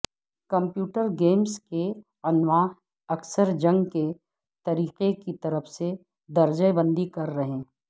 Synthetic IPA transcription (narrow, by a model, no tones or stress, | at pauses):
kɐ̃mpjuːʈəɾɡeːmske | ɐnʋaːɦ | ɐksəɾd͡ʒɐ̃ŋɡke | t̪ɐɾiːqekit̪ɐɾəfse | d̪ɐɾd͡ʒəjbə̃nd̪ikɐɾːɐɦẽː